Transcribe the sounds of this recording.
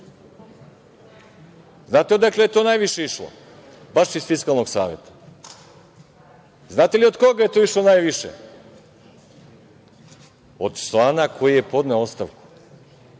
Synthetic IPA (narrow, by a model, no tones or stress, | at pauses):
znaːt̪eod̪aklejet̪onaːjʋiʃeiʃlˠo̰ | baʃizfiskalˠno̞ɡsaːʋjḛt̪ḁ | znaːt̪eliod̪ko̞ɡaje̞t̪oiʃlˠonajʋiʃḛ | o̰d̪slˠaːnakʰo̞jije̞po̞d̪neoost̪aʋku̥